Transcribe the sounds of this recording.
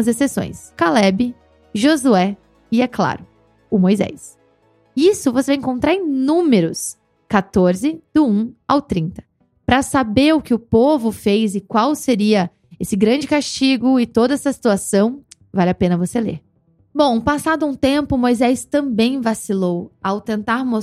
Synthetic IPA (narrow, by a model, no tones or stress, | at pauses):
ɐzesesõ̰j̃skalɛbɪ | ʒozuɛ | ɪɛkla̰ɾʊ | ʊmojzɛ̰s | ɪisʊvosevajĩŋkõnt̪ɾaɾẽj̃nũmeɾʊs | kat̪oɾzɪd̪̥ʊũa̰wt̪ɾĩnt̪ɐ̥ | pɾɐsabeɾʊkɪʊpovʊfejzɪkwawseɾiɐ | esɪɡɾɐ̃d͡ʒɪkast͡ʃiɡʊɪt̪od̪ɐɛsɐsi̥t̪uasɐ̃w̃ | valɪapẽnɐvoselḛɾ | bõw̃pasad̪ʊũt̪ẽmpʊmojzɛst̪ɐ̃mbẽj̃vasilowawt̪ẽnt̪aɾmo